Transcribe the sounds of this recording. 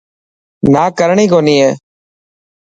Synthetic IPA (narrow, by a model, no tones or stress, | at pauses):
naːkəɾɳiːkoːniːeː